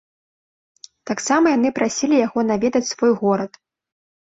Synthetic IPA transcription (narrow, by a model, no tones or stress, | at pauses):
t̪aksamɐjan̪ɨpɾʔasʲilʲijaɣɔnavʲɛd̪ɐt͡sʲsvɔjɣɔɾɐt̪